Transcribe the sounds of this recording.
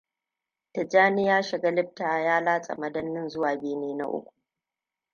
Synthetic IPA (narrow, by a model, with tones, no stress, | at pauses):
tɐ˨d͡ʒaː˦nɪ˦jaː˦ʃɪ˨ɡa˦lɪ˦ɸ̚taː˨jaː˦laː˦t͡sʼɐ̰˨mɐ˦dɐ˦nːɪ˦nzʊ˦waː˨beː˦neː˦na̰˦ʔʊ̰˦kʷu̥˨ʔ